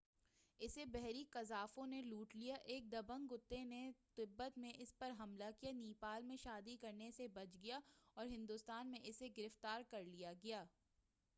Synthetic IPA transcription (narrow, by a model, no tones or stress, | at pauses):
ɪsebɛɦɾikɐzaːfõneluːʈlijaʔeːk̚d̪ɐbə̃ŋɡʊt̪ːenet̪ɪbːət̪mẽʔɪspɐɾɦɐmlakijaniːpaːlmẽʃaːd̪ikɐɾnesebɐt͡ʃɡɐjaɔːɾɦɪ̃nd̪ʊst̪aːnmẽʔɪseɡɪɾɪft̪aːɾkɐɾlijaɡɐjaː